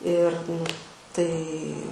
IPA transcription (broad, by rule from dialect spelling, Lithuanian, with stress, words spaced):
ɪr nʊ ˈtɐɪ